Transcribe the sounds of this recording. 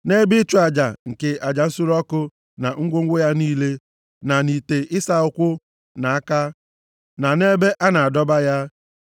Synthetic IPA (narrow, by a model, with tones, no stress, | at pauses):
ne˦bɪ˦t͡ʃu˦a˨d͡ʒa˨ŋ̩˨ke˨ʔa˨d͡ʒa˨n̩˦sʊ˦ɾɔ˦kʊ˦ | na˨ŋ̩˦ɡʷo˦ŋ̩˦ɡʷo˦ja˦niː˦le˦ | na˨ni˨te˨ʔɪ˦sa˦ʊ˨kʷʊ˦ | na˨a˦ka˦ | na˨ne˦be˦ʔa˦na˨a˨dɔ˦ba˦ja˦